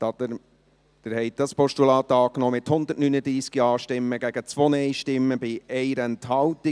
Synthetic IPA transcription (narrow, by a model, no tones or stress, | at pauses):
d̥ɪɾhɛɪt̚d̥ɑspɔʃtulɑːt̪ɑːknɔːmɪthʊnd̪əɾtnynəd̪ɾiːskiɑːʃtɪmːəɡ̥æɡ̥ət͡sʋonɛɪʃtɪmːəbɪɛɪɾɛnthɑlti